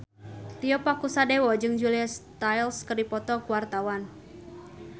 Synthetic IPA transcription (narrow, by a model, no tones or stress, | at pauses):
t̪iɔpakusadewɔd͡ʒɨŋd͡ʒulist̪ajlskɨrdipɔt̪ɔkuwart̪awan